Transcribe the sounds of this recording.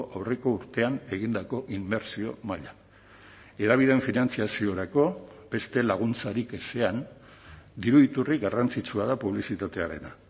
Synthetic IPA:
ʔawre̞ko̞uɾt̪e̞ane̞ɣ̞ind̪ako̞ʔimːe̞ɾsio̞maʎa | e̞ðaβ̞ið̞e̞ɱfinant͡siasio̞ɾako̞be̞st̪e̞laɣ̞unt͡saɾikese̞an | d̪iɾuit̪uriɡarant͡sit͡suað̞apuβ̞lisit̪at̪e̞aɾe̞na̰

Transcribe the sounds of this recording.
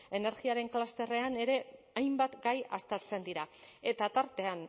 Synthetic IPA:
e̞ne̞ɾɣiaɾe̞ŋklast̪e̞re̞ane̞ɾe̞ | ajmbat̪ɡajast̪eɾt͡se̞nd̪iɾae̞t̪at̪aɾt̪e̞an

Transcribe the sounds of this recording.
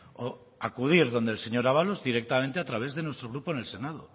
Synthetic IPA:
o | akuðiɾðo̞nd̪elseɲo̞ɾaβalozðiɾe̞k̚t̪ament̪eat̪ɾaβ̞e̞zðe̞nwest̪ɾo̞ɣɾuponelse̞naðo

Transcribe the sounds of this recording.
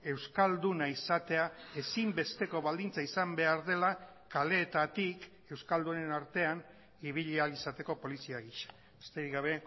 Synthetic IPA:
e̞wskald̪unaisat̪e̞ae̞simbe̞st̪e̞ko̞βald̪int͡saisambe̞aɾðe̞la | kale̞ːt̪at̪ik | e̞wskald̪une̞naɾt̪e̞an | iβiʎialisat̪e̞ko̞po̞lisiaɣiʃḁ | est̪eɾiɣaβ̞e̞

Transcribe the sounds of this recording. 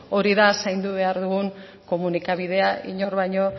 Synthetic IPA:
o̞ɾiðasajnd̪uβe̞aɾðuɣuŋ | ko̞munikaβ̞ið̞e̞aḭɲo̞ɾβajɲo̞

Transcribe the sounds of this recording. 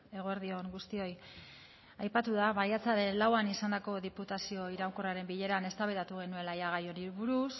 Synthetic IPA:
e̞ɣ̞o̞eɾðio̞ŋɡust̪io̞j | ajpat̪uðaβajat͡saɾe̞nlawanisand̪ako̞ðiput̪asio̞iɾawkoraɾe̞mbiʎe̞ɾane̞st̪aβeɾat̪uɣe̞nue̞lajaɣ̞ajo̞niɾβuɾus

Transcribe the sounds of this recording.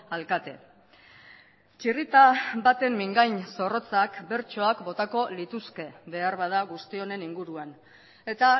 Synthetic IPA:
alkat̪e̞ | t͡ʃirit̪abat̪e̞mːiŋɡajnso̞ro̞t͡sakbe̞ɾt͡ʃo̞akbo̞t̪ako̞lit̪uske̞βe̞aɾβað̞aɣust̪io̞ne̞niŋɡuɾuan | e̞t̪a

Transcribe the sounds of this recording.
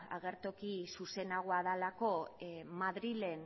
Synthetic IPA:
a̰ɣ̞e̞ɾt̪okisuse̞naɣ̞oaðalako̞maðɾile̞n

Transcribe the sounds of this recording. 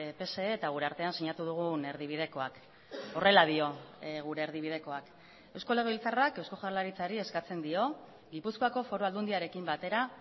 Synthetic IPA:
pe̞se̞ːt̪aɣ̞uɾe̞aɾt̪e̞ansiɲat̪uð̞uɣ̞une̞ɾðiβ̞ið̞e̞ko̞ak | o̞re̞lað̞io̞ɣ̞uɾe̞ːɾðiβ̞ið̞e̞ko̞ak | e̞wsko̞le̞ɣeilt͡sarake̞wsko̞ʝarlaɾit͡saɾie̞skat͡se̞nd̪io̞ | ɡipuskoako̞fo̞ɾoald̪und̪iaɾe̞kimbat̪e̞ɾa

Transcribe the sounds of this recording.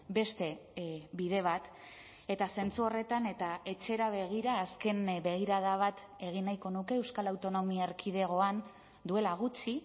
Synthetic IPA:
be̞st̪e̞βið̞e̞β̞at̪ | e̞t̪ase̞nt͡suo̞re̞t̪ane̞t̪aʔe̞t͡ʃe̞ɾaβe̞ɣiɾaːske̞nbe̞ɣ̞iɾaðaβ̞at̪ | e̞ɣ̞inajko̞nuke̞ːwskalawt̪o̞no̞miaeɾkʰið̞e̞ɣ̞o̞an | d̪ue̞laɣ̞ut͡ʃi

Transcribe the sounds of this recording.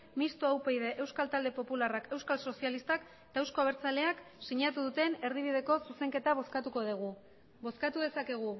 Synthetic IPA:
mist̪oawpejðe̞ʔe̞wskalt̪ald̪e̞po̞pularake̞wskalso̞sialist̪ak | et̪aewsko̞aβ̞e̞ɾt͡sale̞aksiɲat̪uðut̪e̞ne̞ɾðiβ̞iðe̞ko̞suse̞ŋke̞t̪aβoskat̪uko̞ðiɣu | bo̞skat̪uðe̞sake̞ɣ̞u

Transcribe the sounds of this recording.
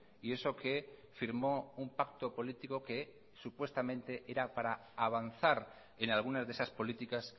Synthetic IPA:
ie̞so̞ke̞fiɾmo̞umpak̚t̪o̞po̞lit̪iko̞ke̞ | supwe̞st̪amẽ̞nt̪e̞ʔe̞ɾapaɾaːβ̞anθaɾ | e̞nalɣ̞unazðesaspo̞lit̪ikas

